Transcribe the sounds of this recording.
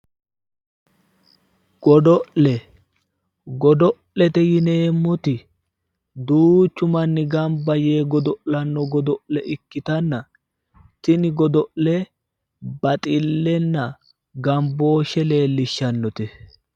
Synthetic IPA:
ɡ̥ɔd̪ɔʔlɛ | ɡɔd̪ɔʔlɛt̪ɛjɪne̞ːmːɔt̪ɪ | d̪uːt͡ʃːʊmɐnːɪɡɐmbɐje̞ːɡɔd̪ɔʔlɐnːɔɡɔd̪ɔʔlɛʔɪkːɪt̪ɐnːɐ | t̪ɪnɪɡɔd̪ɔʔlɛ | bɐt̪ʼɪlːɛnːɐ | ɡɐmbo̞ːʃɛle̞ːlːɪʃːɐnːɔt̪ɛ

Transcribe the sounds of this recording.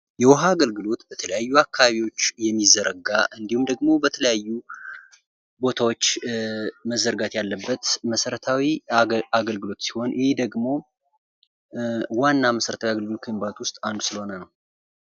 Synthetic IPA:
jɛwɔɦaːɡəlɡɨlo̞t̪bət̪ʰələjajːuakʰːaβaβiwo̞t͡ʃːjɛmːizəɾəɡaʔɨnd̪ihumd̪əɡmo̞bət̪ʰələjajːu | bo̞t̪ʰawo̞t͡ʃː | məzːəɾɡat̪jalːəbːət̪məsəɾət̪ʰawiaɡəlɡɨlo̞t̪si̥ho̞njɪhed̪əɡmo̞ | wanːaməsəɾət̪ʰawiaɡəlɡɨlokʰəmbat̪wʊst̪ʼand̪usɨlho̞nənəw

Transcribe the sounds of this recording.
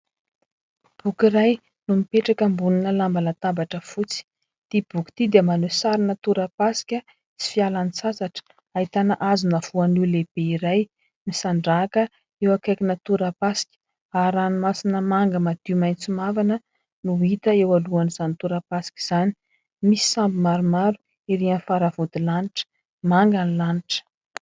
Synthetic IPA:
b̥ukiɾaj | numipeʈ͡ʂakəmbuninəlambalat̪abaʈ͡ʂəfut͡si̥ | d̪̥ib̥uku̥t̪id̪iəmanosaɾinət̪uɾapasi̥kʲə | t͡si̥fialanisasaʈ͡ʂ | aɦit̪anəʔazunav̥uanileb̥eiɾaj | nisaɳɖ͡ʐakə | ewakajkʲinət̪uɾapasi̥kʲə̥ | aɾanimasinəmaŋɡəmad̪̥imajnt͡simavanə | nuɦit̪əewaluaniz̥anit̪uɾapasi̥kʲi̥z̥ani̥ | misi̥sambimaɾumaɾu̥ | iɾianfaɾavud̪ilaniʈ͡ʂə̥ | maŋɡanilaniʈ͡ʂə̥

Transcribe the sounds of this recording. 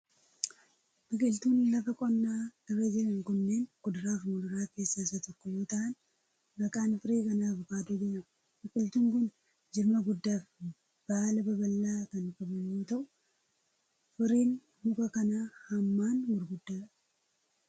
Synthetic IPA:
bɪkʼɪlt̪uːnlɐfɐkʼɔnːaːɪrːɐd͡ʒɪɾɐŋkʊnːeːnkʊd̪ɾaːfmʊlʊɾaːke̞ːsːaɪsːɐt̪ɔkːɔjo̞ːt̪ɐʔɐn | bɐkʼaːnfɪɾeːkɐnaːbʊkaːt̪uːd͡ʒeɲːɐ | bɪkʼɪlt̪uːŋkʊn | d͡ʒɪɾmɐɡʊd̪ːaːf | b̥aːlɐbɐbɐlːaːkɐnkʼɐbɐɲːoːt̪ɐʔʊ | fɪɾiːn | mʊkɐkɐnaːhɐmːaːnwʊɾɡʊd̪ːaː

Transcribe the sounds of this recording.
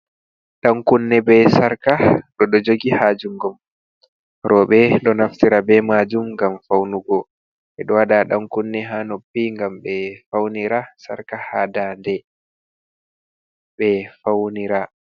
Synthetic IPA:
ɗaŋkunːɛbɛsaɾkaɗɔɗɔd͡ʒoɡihaːd͡ʒuŋɡɔm | ɾɔɓɛɗɔnaftiɾabɛmaːd͡ʒumŋɡamfawnuɡɔ | ʔɛɗɔwaɗaɗaŋkunːɛɦaːnopːiŋɡamɓɛfawniɾasa̰ɾkahadandɛ | ɓɛfawniɾa

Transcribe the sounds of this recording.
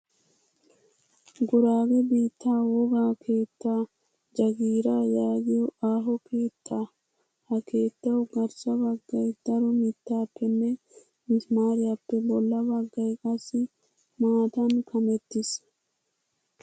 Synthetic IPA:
ɡʊɾaːɡɛbiːt̪ːaːwɔɡaːkʰeːt̪ːaː | d͡ʒɐɡiːɾaːjaːɡɪjɔaːɦɔkeːt̪ʰːaː | hɐke̞ːt̪ːɐwʊɡɐɾsɐbɐɡːɐjd̪̥ɐɾɔmɪt̪ːaːpːɛnːɛ | mɪsmaːɾɪɐpːɛbɔlːɐbɐɡːɐjkʼɐsɪ | maːt̪ɐnkʰɐmɛt̪ːɪs

